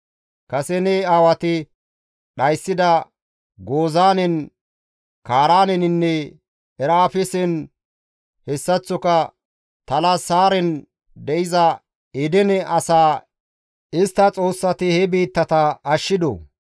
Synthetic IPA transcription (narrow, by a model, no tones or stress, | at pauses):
kɐsɛnɛaːwɐt̪ɪ | ɗɐjsːɪd̪ɐ | ɡo̞ːzaːnɛn | kaːɾaːnɛnɪnːɛ | ɛɾaːfɛsɛn | hɛsːɐt͡sːɔkɐ | t̪ɐlasaːɾɛn | d̪ɛʔɪzɐ | ɪd̪ɛnɛʔɐsaː | ɪst̪ːɐt͡sʼo̞ːsːɐt̪ɪhɛbiːt̪ːɐt̪ɐːʃːɪd̪o̰